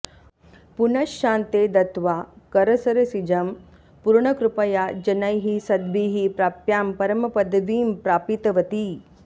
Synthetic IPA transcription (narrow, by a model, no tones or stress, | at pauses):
punɐʃːaːnt̪eːd̪ɐt̪ʋaːkɐɾɐsɐɾɐsid͡ʒɐm | puɾɳɐkɾupɐjaːd͡ʒɐnɐjɦisɐd̪biːɦipɾaːpjaːmpɐɾɐmɐpɐd̪ʋiːmpɾaːpit̪ɐʋɐt̪i